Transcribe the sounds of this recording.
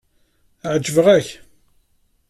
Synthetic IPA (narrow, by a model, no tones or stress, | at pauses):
ʕd͡ʒːəvəʁæç